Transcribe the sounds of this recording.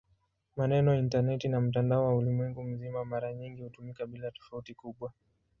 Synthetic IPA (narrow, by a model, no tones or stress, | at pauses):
manɛnɔintanɛtinam̩t̬andaɔwaulimwɛŋɡum̩zimamaɾaɲiŋɡihutumikaɓilatɔ̥fautikuɓwa